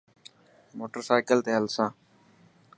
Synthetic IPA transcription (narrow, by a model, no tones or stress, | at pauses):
moːʈəɾsaːɪkəlt̪eːɦəlsãː